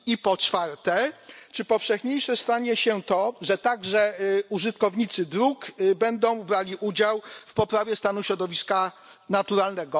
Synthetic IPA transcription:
ipɔt͡ʂfaɾt̪ɛt͡ʂɘpɔfʂɛxɲejʂɛst̪aɲɛɕɛt̪ɔʐɛt̪aɡʐɛuʐɘt̪kɔvɲit̪sɘd̪ɾukbɛnd̪ɔ̃w̃bɾalʲiʔud͡ʑawfpɔpɾavʲjɛst̪anuɕɾɔd̪ɔvʲiska | nat̪uɾalnɛɡɔ

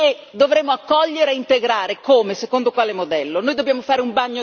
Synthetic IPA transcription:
e | d̪ovɾemːoakːɔʎːeɾeːint̪eɡɾaːɾekoːmesekond̪okwaːlemod̪ɛlːonoːjd̪objaːmofaːɾeumbaɲːo

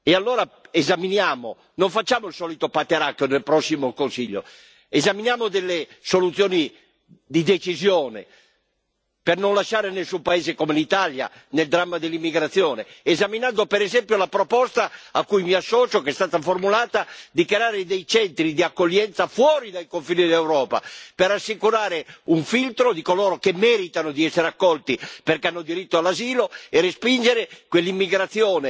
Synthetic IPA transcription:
ealːoːɾaezaminjaːmo | noɱfat͡ʃːaːmoilsɔːlit̪opat̪ːeɾakjonelpɾɔsːimokonsiʎːo̰ | ezaminjaːmod̪ɛlːesolut̪sjɔːni | d̪id̪et͡ʃizjɔːnḛ | pernonlaʃːaːɾenesːumpaeːzekomelit̪alja̰ | neld̪ɾamːad̪elːimːiɡɾat̪sːjɔːneːzaminand̪opeɾɛzɛmpjolapɾopɔst̪aakːujmiasːɔːt͡ʃokeɛst̪aːt̪aformulaːt̪ad̪ikeaːɾed̪ɛjt͡ʃɛnt̪ɾid̪iakːolːɛnt̪safwɔːɾid̪ajkoɱfiːnid̪lewɾɔːpa̰peɾasːikuɾaːɾeuɱfilt̪ɾod̪ikoloːɾokemːɛːɾit̪anod̪iɛsːeɾeakːɔlt̪iperkeanːod̪iɾit̪ːoalːaziːloeɾespind͡ʒeɾekwelːimːiɡɾat̪sːjoːne

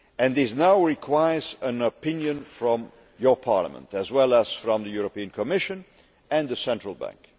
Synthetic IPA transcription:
ɨ̃nðɪsnaʊɹikʰwaɪə˞zə̃nəpɪ̃njɨ̃nfɹɔ̃m | jə˞pʰɑ̰ɹlə̰mə̰̃ntɨzwɛlˠəz̥fɹʌ̃mðɨjuɹəpiɨ̃nkʰəmɪʃɨ̃n | ɨ̃nðɨsɛ̃ntɹ̥əlˠbæ̰̃ŋk

